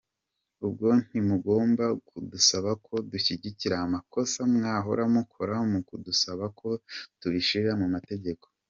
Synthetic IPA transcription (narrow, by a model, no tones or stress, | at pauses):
ubɡo̞n̥imuɡo̞ːmbakʰudusaβakʰo̞duçiɟiciɾahamako̞samŋaːɦoɾamukʰoɾaomukudusaβakʰo̞tuβiʃiɾɾamumate̞ɟe̞ko̞̥